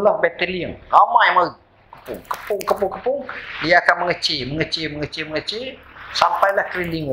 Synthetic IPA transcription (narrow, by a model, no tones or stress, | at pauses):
lambɛt̪ɛliəŋɾamajmau | kəpʊŋkə̥pʊŋkəpʊŋkəpʊŋdiaːkanməŋət͡ʃɪlməŋət͡ʃɪməŋət͡ʃɪməŋət͡ʃɪsampajlahkɾiliŋu